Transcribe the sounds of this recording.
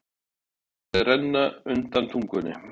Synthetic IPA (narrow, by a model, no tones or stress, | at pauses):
ɛrɛnːaʏnt̪ant̪ʰuŋkʏnɪ̰